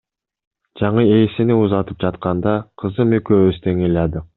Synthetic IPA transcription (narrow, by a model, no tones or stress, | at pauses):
d͡ʒɑɴɯesiniuzɑt̪ɯp̚d͡ʒɑt̪qɑnd̪ɑqʰɯzɯmykøyst̪eŋelɑd̪ɯ